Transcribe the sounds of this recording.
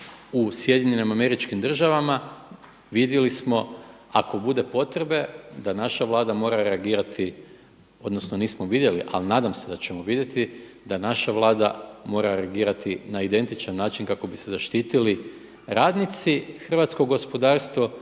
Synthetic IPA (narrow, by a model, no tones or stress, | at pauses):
usje̞d̪jiɲenimame̞ɾit͡ʃkimd̪r̩ʒaʋama | ʋid̪jelismo̞ | ako̞bud̪e̞po̞t̪ɾebe̞d̪anaʃaʋlˠaːd̪amo̞ːɾaɾe̞aɡiːɾat̪ʰi | o̞d̪nosnoniːsmoʋid̪jeliʔa̰linaːd̪amse̞d̪at͡ɕe̞mo̞ʋid̪je̞t̪i | d̪anaʃaʋlˠaːd̪a̰mo̞ɾaɾeaɡiːɾat̪inaid̪e̞nt̪it͡ʃanːaːt͡ʃinkako̞bise̞zaʃt̪iːt̪ili | ɾaːd̪nit̪sixr̩ʋat̪skoɡo̞spo̞d̪aːɾst̪ʋo